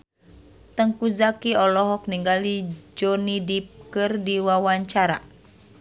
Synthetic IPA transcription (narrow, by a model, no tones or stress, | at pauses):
t̪əŋkuzakiɔlɔɦɔk̚niŋɡalid͡ʒɔnidip̚kɨrdiwawaɲt͡ʃaɾa